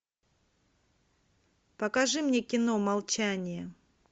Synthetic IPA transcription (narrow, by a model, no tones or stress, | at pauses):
pəkɐʐɨmnʲekʲɪnomɐlˠt͡ɕanʲɪjə